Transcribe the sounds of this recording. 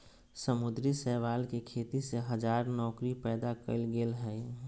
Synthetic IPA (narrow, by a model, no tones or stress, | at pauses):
səmʊd̪ɾisɛːʋaːlkekʰeːt̪iseɦəd͡ʒaːɾnɔːkɾipɛːd̪akə̰lɡelɦɛː